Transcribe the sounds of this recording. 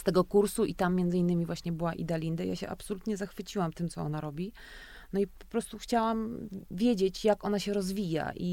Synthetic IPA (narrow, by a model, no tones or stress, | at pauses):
st̪ɛɡɔkuɾsuʔit̪amːjɛnd̪zɘinːɘmʲivwaɕɲɛbɘwaʔḭd̪alʲind̪aja̰ɕɛ̰ʔa̰psɔlut̪ɲɛzaxfɘt͡ɕiwamt̪ɘmt̪sɔɔnaɾɔbʲi | nɔippɔ̥pɾɔst̪uxt͡ɕawamvʲjed͡ʑet͡ɕjakɔnaɕɛɾɔzvʲija̰ʔi